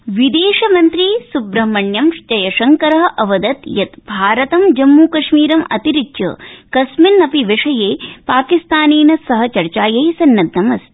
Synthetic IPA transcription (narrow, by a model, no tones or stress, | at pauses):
ʋid̪eːʂɐmɐnt̪ɾiːsubɾɐɦmɐɳjɐmʂd͡ʒɐjɐʃɐŋkɐɾɐɦɐʔɐʋɐd̪ɐt̪jɐt̪bʱaːɾɐt̪ɐmd͡ʒɐmːuːkɐʂmiːɾɐmɐt̪iɾit͡ʃɐ̰kɐsminːɐpiʋɐʂɐjeːpaːkist̪aːneːnɐsɐɦɐ̆t͡ʃɐɾt͡ʃaːjɐjsɐnːɐtd̪nɐmɐs